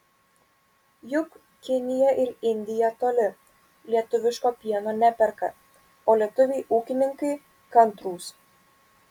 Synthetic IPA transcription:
jʊk | kʲɪnʲɪjɛʔɪɾɪnʲd̪ʲɪjɛt̪oːlʲɪ | lʲiɛt̪ʊʋʲɪʃkoːpʲiɛnoːnʲæpʲɛɾkɐ̰ | oːlʲiɛt̪ʊʋʲeɪʔuːkʲɪnʲɪŋkɐɪ | kɐnˑt̪ɾuːs

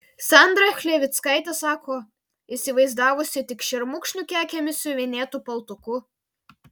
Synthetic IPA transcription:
sɑnd̪ɾɐxʲlʲeːʋʲɪt̪skɐɪt̪ʲɛsɑːkoː | isʲɪʋɐɪzd̪ɑːʋʊsʲɪt̪ʲɪkʃʲɛɾmʊkʃʲnʲʊkʲæːkʲɛmʲɪsʲʊʋʲenʲeːt̪upɐlˠt̪ʊkʊ

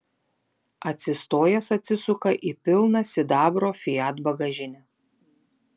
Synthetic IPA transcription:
ɐt̪ʲsʲɪst̪oːjɛsɐt̪ʲsʲɪsʊkɐʔiːpʲɪlˠnɐsʲɪd̪ɑːbɾoːfʲɪjɑːt̪bɐɡɐʒʲɪnʲɛ

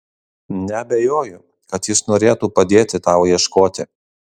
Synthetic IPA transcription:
nʲɛɐbʲɛjoːjʊ | kɐt̪jɪsnoːɾʲeːt̪uːpɐd̪ʲeːt̪ʲɪt̪ɑʊjiɛʃkoːt̪ʲɪ

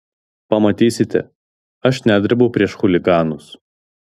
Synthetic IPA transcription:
pɐmɐt̪ʲiːsʲɪt̪ʲɛ̰ | ɐʃnʲæːd̪ʲɾʲbɐʊpʲɾʲiɛʃxʊlʲɪɡɑːnʊs

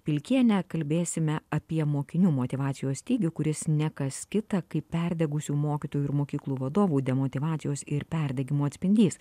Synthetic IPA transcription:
pʲɪlʲkʲiɛnʲɛkɐlʲbʲeːsʲɪmʲɛɐpʲiɛmoːkʲɪnʲuːmoːt̪ʲɪʋɑːt̪sʲɪjoːsʲt̪ʲiːɡʲʊkʊɾʲɪsnʲækɐskʲɪt̪ɐkɐɪpʲpʲɛɾʲd̪ʲɛɡʊsʲuːmoːkʲɪt̪oːjuɪɾmoːkʲiːklˠuːʋɐd̪oːʋuːd̪ʲɛmoːt̪ʲɪʋɑːt̪sʲɪjoːsɪɾpʲɛɾʲd̪ʲɛɡʲɪmuːɐt̪ʲsʲpʲɪnʲd̪ʲiːs

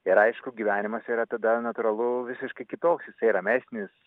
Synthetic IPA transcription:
ɪɾɐɪʃkʊɡʲiʋʲæːnʲɪmɐsʲiːɾɐt̪ɐd̪ɐnɐt̪ʊɾɐlˠʊʋʲɪsʲɪʃkɐɪkʲɪt̪oːksjɪsɐɪɾɐmʲæːsʲnʲɪs

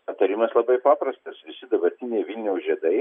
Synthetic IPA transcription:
ɐt̪ɐɾʲɪmɐslˠɐbɐɪpɑːpɾɐst̪ɐsʋʲɪsʲɪd̪ɐbɐɾʲt̪ʲɪnʲeːɪʋʲilʲnʲɛʊsʒʲiɛd̪ɐɪ

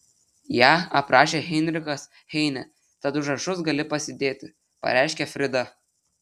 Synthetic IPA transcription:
jæːɐpɾɑːʃʲeːɣʲɛnʲɾʲɪkɐs | hʲɛɪnʲɛ | t̪ɐd̪ʊʒɐʃʊsɡɐlʲɪpɐsʲɪd̪ʲeːt̪ʲɪ | pɐ̰ɾʲæˑɪʃʲkʲɛfʲɾʲɪd̪ɐ

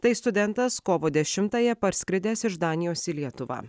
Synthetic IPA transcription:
t̪ɐɪst̪ʊd̪ʲɛnt̪ɐskoːʋoːd̪ʲɛʃʲɪmt̪ɑːjɛpɐɾʲsʲkʲɾʲɪd̪ʲeːsɪʒd̪ɑːnʲɪjoːsiːlʲiɛt̪ʊʋɑ̰ː

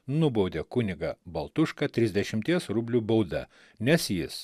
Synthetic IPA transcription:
nʊbɔʊd̪ʲeːkʊnʲɪɡɐbɐlˠt̪ʊʃkɐt̪ʲɾʲɪzʲd̪ʲɛʃʲɪmʲt̪ʲiɛsɾʊbʲlʲuːbɐʊd̪ɐ̰ | nʲɛsjɪs

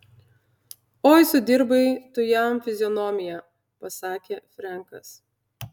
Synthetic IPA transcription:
oːjsʊd̪ʲɪɾbɐɪt̪ʊjɛmfʲɪzʲɪjɔnɔmʲɪjæ | pɐsɑːkʲeːfʲɾʲɛˑŋkɐs

